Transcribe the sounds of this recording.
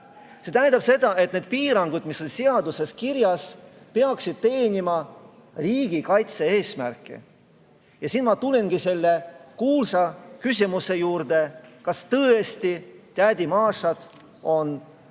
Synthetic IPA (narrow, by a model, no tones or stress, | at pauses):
se̞t̪æjnd̪ɑb̥se̞d̪̥ɑe̞t̪neːd̪̥̚piːɾɑŋɡud̪̥miso̞nʲseɑd̪use̞skiɾjɑs | pe̞ɑksid̪̥̚t̪e̞ːnʲimɑ | riːɡ̥ikɑjt̪seeːsmærkːˑḭ | jɑsinmɑt̪ulʲinɡise̞lːe̞kuːlsɑkysʲimuse̞juːɾd̪e̞kɑst̪ɤːe̞st̪it̪æd̪̥ʲimɑːʂɑd̪̥ | o̞n